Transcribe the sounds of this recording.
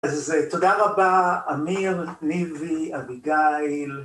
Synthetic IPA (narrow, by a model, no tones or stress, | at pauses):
azet̪odaʁabaamiʁniviabiɡail